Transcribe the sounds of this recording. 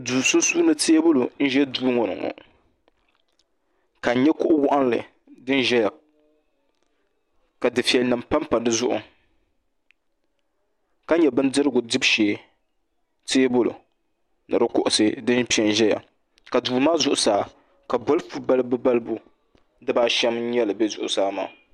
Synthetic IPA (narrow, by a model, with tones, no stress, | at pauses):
duː˨sʊ˦su˦nɨ˦te˦bʊ˦lo˨n̩˦ʒɛ˦duː˦ŋɔ˨nɨ̰˨ŋɔ̰˨ | ka˨˦ɲɛ˦kʊ˦ʔʊ˦wʊ˦ʔa˦n˦lɨ̰˨ | dɨ˦n˦ʒɛ˦ja˨ | ka˨dɨ˨fi˨ɛ˨lnɨ˨mpa˦mpa˨dɨ˦zʊ˦ʔʊ̰˨ | ka˦ɲɛ˨bɨ˦ndɨ˦ɾɨ˦ɡʊ˨dɨ˦bʃeː˨˦ | teː˦bʊ˦lʊ̰˨ | nɨ̰˨ɾɨ˦kʊ˦ʔʊ˨sɨ˦dɨ˦npi˦ɛ˨nʒɛ˦ja̰˨ | ka˨duː˨maː˦zʊ˨ʔʊ˨saː˨ | ka˨bo˦lfu˦ba˦lbɨ˦ba˦lbʊ˦ | dɨ˦baː˦ʃɛ˦m̩˦ɲɛ˦lɨ˨bɛ˦zʊ˨ʔʊ̰˨saː˦ma̰ː˦˨